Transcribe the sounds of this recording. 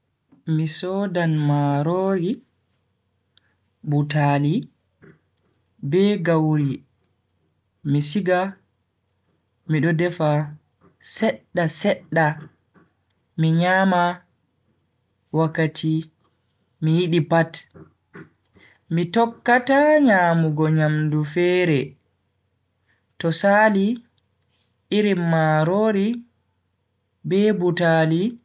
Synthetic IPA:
misɔdanmaɾoːɡi | butali | bɛɡawɾi | misiɡa | miɗɔdɛfa | sɛɗːasɛɗːa | miɲama | wakːatʰi | mijiɗipat | mitɔkːataɲaːmuɡɔɲamdufɛːɾɛ | tɔsaːli | ʔiɾimːaɾoːɾi | bɛbutaːli

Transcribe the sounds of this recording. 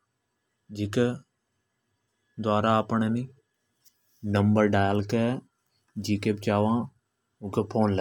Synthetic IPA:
d͡ʒɪk | d̪waːɾaəpɳeni | nəmbəɾɖaːjəlkɛ | d͡ʒikeːbɪt͡ʃaːʋãː | ʊ̃kʰepʰoːnlə

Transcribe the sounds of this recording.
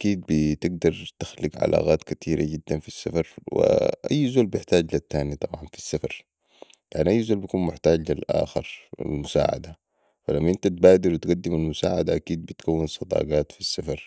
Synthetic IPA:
ʔakiːd̪̚bit̪ɪɡ̚d̪ɑɾˤt̪axliɡʕa̰lʔa̰ːɣaːt̪kat̪ʰiːɾa̰ɟid̪ːanfisːafɑɾˤwḭʔa̰jːzuːlbjɪħt̪aːɟlat̪ːaːnit̪ˤɑbʕɑnfi̥sːafɑɾˤ | jaʕniʔajːzuːlbijakuːnmʊħt̪aːɟlilʔa̰ːxɪɾˤḭlmʊsa̰ːʕa̰d̪a | falamːaʔint̪at̪̚baːd̪iɾwit̪ɡad̪ːimalmʊsa̰ːʕad̪aʔakiːd̪̚bit̪kawːɪnsˤːɑd̪ˤɑ̰ːɡaːt̪fisːafɑɾˤ

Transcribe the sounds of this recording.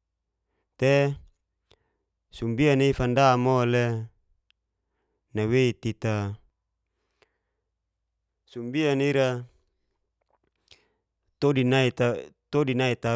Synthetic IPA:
t̪e | sumbianifandamole | nawet̪it̪a | sumbianiɾa | t̪odinait̪at̪odinait̪a

